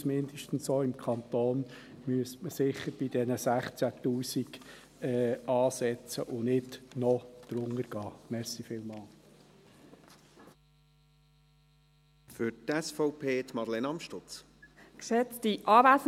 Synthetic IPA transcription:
smɪnd̪əʃtn̩soːɪmkʰɑnt̪oːn | myəstməsɪχːəɾb̥ɪd̥ɛnəsæχt͡sætuːsiɡ | ɛːɑːsɛt͡səʔʊnɪtnɔd̪̥ɾʊŋəɾɡ̥ɑːmɛʁsifiːlmɑːl | fʏɾtɛsfɔʊpʰeːt̪mɑɾlenɑmʃtʊt͡s | ksɛt͡stiʔɑːvæːs

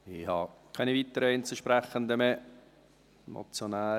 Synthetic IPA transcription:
ihɑ̰kʰaɪnivit̪ːəɾəɪnt͡səʃpɾɛχənd̪əmɛ | mo̰t͡sjonaː

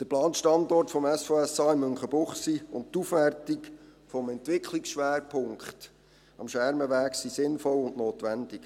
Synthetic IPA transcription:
d̥əɾplɑːnʃtɑndɔrtfɔmɛsfoːɛsɑːɪmːøŋχəbʊχsiːʊnttufʋɛrtikfɔmɛntʋɪkχliksʃʋæːɾpʰʊŋkχt | ɑmʃʋæɾməʋæːksisɪnfɔlʊnnoːtʋænd̥ik

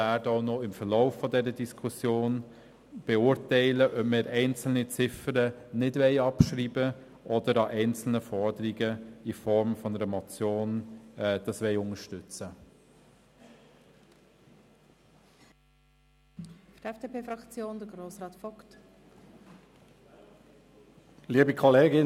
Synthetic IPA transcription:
æːɾdəɔʊnɔɪmfəɾlɔʊfːɔdɛɾədiskʰusjoːn | b̥ɛʊːɾtɛɪləʔœpmɪɾʔɛɪnt͡sl̩nit͡sɪfəɾənɪdvɛɪɑpʃɾiːbə | ʔɔd̥əɾɑʔɛɪnt͡sl̩nəfɔɾdəɾiɡəifɔɾmfɔnəɾəmɔt͡sjoːnɛd̥ɑsʋɛɪʊŋəʃtʏt͡sə | fd̥ɛfd̥eːpʰeːfɾɑkt͡sjoːnd̥̪əɡɾoːsrɑːtfɔkt | liːbikʰɔleːɡɪ

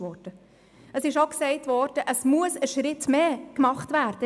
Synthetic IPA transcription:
ɔd̥ə | əsɪʃoksɛɪtvɔːɾd̥əʔəsmuəsəʃɾɪtmeːkmɑχtʋæːɾd̥ə

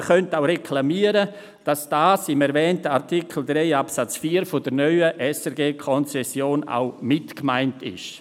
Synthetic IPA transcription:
χœntaʊɾekʰlamiːəɾə | d̥ɑsd̥aːsɪmɛɾvɛːntəaɾtikʰl̩dɾeɪapsat͡sfiːəɾfod̥əɾnœʏəʔɛsɛɾɡeːkʰɔnt͡sɛsjoːna̰ʊmɪtkmaɪntʰɪ̰ʃ

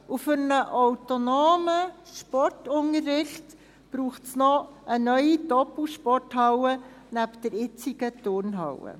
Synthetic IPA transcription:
ufʏɾnəʔɔwtonoːməʃpɔrtʊŋəɾːɪχt | b̥ɾuːχtsnɔʔənœʏidɔpl̩ʃpɔrtɦɑwənæpd̥ɛɾɪt͡siɡ̥ətʊɾnɦɑwə̰

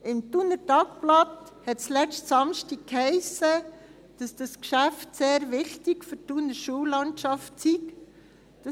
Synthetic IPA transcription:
ɪmt̪unəɾtɑk̚plɑt̪ | hɛtslɛstsɑmʃtikkhɛɪsə | d̥ɑsd̥ɑskʃæftseːɾʋɪχtɪkfʏɾtunəɾʃulɑntʃɑftsik | d̥ɑ

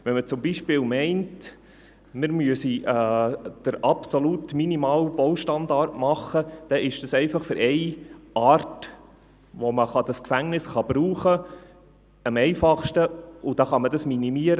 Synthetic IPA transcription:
ʋɛnmət͡sʊmbiʃpɪːlmɛɪnt | mɪɾmyəsiɛːd̥əɾɑpsolutminimɑːlb̥owʃtɑnd̪ɑɾtmɑχːəd̥ɛʔɪʃd̥ɑsɛɪfɑχfʏɾʔɛɪʔɑːrt | ʋoməχɑd̥ɑskfæŋnɪsχɑb̥ɾuːχə | əmɛɪfɑχʃtəʊd̥ɑχɑmədɑsminimiəɾə

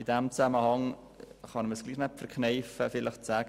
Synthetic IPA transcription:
ɪdɛmt͡saməhɑŋ | χɑnməsɡ̥liːχnɛpfəɾkʰχnɛɪfəfɪlɪχt͡sæːɡ

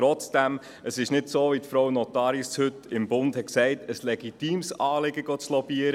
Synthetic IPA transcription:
ɾɔt͡sd̥ɛm | əsɪʃnɪdsoːvitfɾɔwnɔtɑːɾishʏtɪmbʊnd̥hɛt̚ksɛɪtəslɛɡitiːmsɑːlɪɡəɡ̥ɔt͡slɔb̥iəɾə

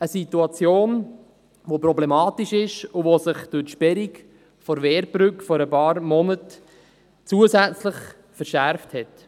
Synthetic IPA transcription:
əsituɑt͡sjoːn | ʋopɾɔblɛmɑːtiʃɪʃuvosɪχd̥ʊɾtʃpɛɾik | fɔɾvɛːɾbɾʏkfɔɾəpɑːɾmɔnət | t͡suəzæt͡slɪχ | fəɾʃæɾfthɛt

